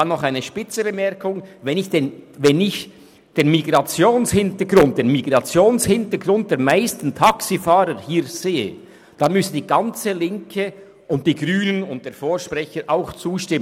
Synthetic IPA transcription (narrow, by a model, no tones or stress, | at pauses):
anːɔχaɪnəʃpɪt͡səbəmɛɾkʊŋvɛnɪçd̥eːnvɛnɪç | d̥eːnmiɡɾɑt͡sjoːnshɪntəɡɾʊnt̚d̥eːnmiɡʁɑt͡sjoːnshɪntəɡɾʊnt̚d̥eːɐmaɪstn̩tʰaksifaːɾəhiːɾz̥eːə | d̥anmʏsəd̥iːɡɑnt͡səlɪŋkʰə | ʔʊnt̚d̥iːɡryːnənʊnt̚d̥eːɐfoːɹʃprɛçəɾʔaʊxt͡suːʃtɪmə